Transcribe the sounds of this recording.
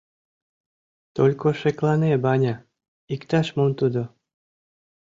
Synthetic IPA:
t̪olʲkoʃeklˠɑnebɑnʲɑ | ikt̪ɑʃmomt̪ud̪ŏ

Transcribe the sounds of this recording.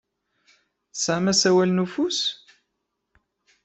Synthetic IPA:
θsʕamæsæwælnufus

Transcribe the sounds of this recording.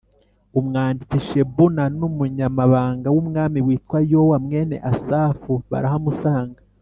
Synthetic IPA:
umŋaːndiciʃe̞βunanumuɲamaβaːŋɡawumŋaːmiwiːtkwajowamŋe̞ːne̞̰ʔasaːfuβa̰ɾaɦamusaːŋɡa

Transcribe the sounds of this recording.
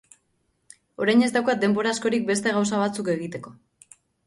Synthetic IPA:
o̞ɾajɲe̞zt̪awkad̪e̞mbo̞ɾasko̞ɾik̚be̞st̪e̞ɣ̞awsaβ̞at͡suke̞ɣ̞it̪e̞ko̞

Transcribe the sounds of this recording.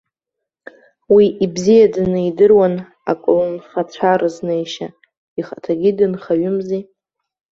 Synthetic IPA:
wiʔibzijadnɨjdɨrwan | a̰kʼlɨnχat͡ɕʷʰaɾɨznejʃa | iχatʰaɡʲidɨnχaɥʏmzi

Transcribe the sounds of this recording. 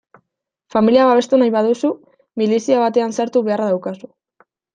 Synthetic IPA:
familiaβaβe̞st̪unajβaðusu | milisiaβat̪e̞ansaɾt̪uβe̞araðawkasu̥

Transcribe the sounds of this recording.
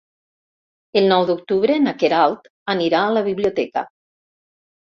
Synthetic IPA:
elˠnɔwd̪uk̚t̪uβɾenakeɾalˠt̪ | əniɾaːləβiβlijut̪ɛkə̰

